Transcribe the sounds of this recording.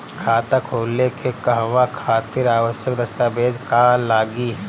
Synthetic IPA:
kʰaːt̪akʰoːlːekekɐɦʋakʰaːt̪ɪɾaːʋəʃjəkd̪ɐst̪abeːd͡ʒkaːlaːɡi

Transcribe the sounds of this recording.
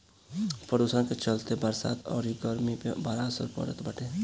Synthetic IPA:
pɾəd̪uːsəɾket͡ʃəlt̪ebəɾsa̰ːt̪ʰɔ̰ːɾiɡəɾmipebaːɾasə̰ɾpɔ̰ɾə̰t̪bəʈeː

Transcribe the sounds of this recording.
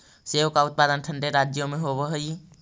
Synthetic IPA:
seːʋkaʊt̪̚paːd̪ənʈʰə̃ɳɖeɾaːd͡ʒjomẽɦoːʋəɦəi

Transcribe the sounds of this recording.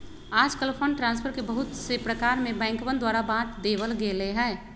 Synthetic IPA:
aːd͡ʒkəlpʰə̃ɳɖʈɾãːnspʰəɾkebəɦʊt̪sepɾəkaːɾmẽbɛ̃ːŋkʋə̃nd̪waːɾabãːt̪d̪ebəlɡeleɦɛː

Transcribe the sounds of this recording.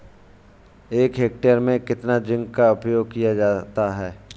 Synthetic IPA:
eːkɦeːk̚ʈəɾmẽkɪt̪nad͡ʒɪ̃ŋɡkaʊpjoːɡ̚kijad͡ʒaːt̪aɦɛː

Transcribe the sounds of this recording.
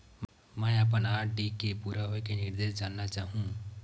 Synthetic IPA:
m | mɛ̃ːap̬ənaːɖikepuːɾaɦoekenɪɾd̪eːʃd͡ʒaːnːat͡ʃaːɦũː

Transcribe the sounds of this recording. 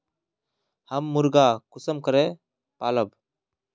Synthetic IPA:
həmːʊɾɡaːkʊsəmkəɾeː | paːləb

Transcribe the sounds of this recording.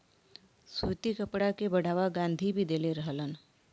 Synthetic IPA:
sut̪ikəpɽakebəɽ̤ʱaːʋaɡãːnd̪ʱibʱid̪eːleɾəɦələn

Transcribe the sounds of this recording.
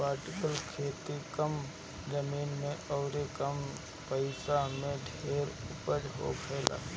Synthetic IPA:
paːɾʈɪkəlkʰeːt̪ikəm | d͡ʒəmiːnmẽʔɔːɾekəm | pəɪsamẽɖʱeːɾʊpəɾɦo̰kʰɛːlʔa̰ː

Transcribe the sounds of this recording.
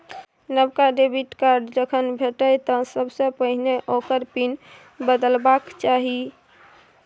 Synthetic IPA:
nəbkaɖebʱiʈkaɾɖd͡ʒəkʰənbʱeʈəjt̪ɔsəbsə̃pəɦneʔokəɾpin | bəd̪əlbakt͡ʃaɦi

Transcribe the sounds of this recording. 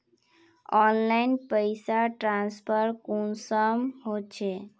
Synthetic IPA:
ɔnlaɪnpəjsaʈɾãnspʰəɾkunsəmɦot͡ʃʰe

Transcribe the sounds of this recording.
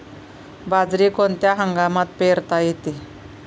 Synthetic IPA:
bad͡zɾikont̪jaɦəŋɡamat̪peɾt̪ajet̪i

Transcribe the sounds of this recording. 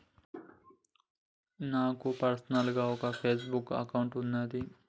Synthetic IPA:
naːkupɐɾsɐnɐlɡaːɔkɐpʰeːs̬bukːɐ̰kɐwuɳʈunːaːd̪i

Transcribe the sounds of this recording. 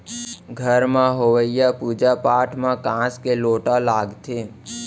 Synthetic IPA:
ɡʱəɾmãɦoʋəɪjapuːd͡ʒapaːʈʰmãkãːskeloːʈalaːɡt̪ʰeː

